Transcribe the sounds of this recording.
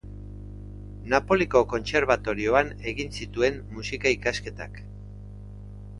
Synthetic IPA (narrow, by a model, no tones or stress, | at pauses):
napo̞liko̞ko̞nse̞ɾβ̞at̪o̞ɾio̞ane̞ɣinsit̪ue̞mmusikaikaske̞t̪a̰k